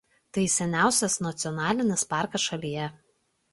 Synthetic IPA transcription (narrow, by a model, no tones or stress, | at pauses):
t̪ɐɪsʲɛnʲæˑʊsʲɛsnɐt̪sʲɪɔnɑːlʲɪnʲɪspɑˑɾkɐsʃɐlʲijɛ